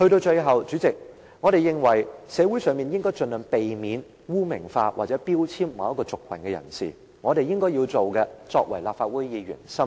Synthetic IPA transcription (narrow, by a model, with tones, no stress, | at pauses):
hɵ˧to˧wt͡ʃɵ˧ɥɦɐ˨wt͡ʃy˨˥t͡sɪ˨k̚ | ŋɔ˨˧ɾe˨jɪ˨ŋwɐ˨˩jsɛː˨˧wuː˨˥jsœː˨˧ŋmiː˨˩njɪ˥ŋkɔː˥jt͡ʃɵ˧nlœ˨˩ŋpe˨jmiː˨˧n | wuː˥mɪ˨˩ŋfaː˧waː˨t̚t͡sɛː˨˥piː˥wt͡sʰiː˥mmɐ˨˧wjɐ˥tkɔː˧t͡sʊ˨kʰːwɐ˨˩nkɛː˧jɐ̰˨˩nsḭː˨˩ | ŋɔː˨˧ɾe˨jɪ˥ŋkɔː˥jiː˧wt͡so˨wkɛ˧t͡sɔ̰ː˧k̚wɐ˨˩jlaː˨pfaː˧t̚wu˨˥jjiː˨˧ɥyː˨˩nsɐ˥m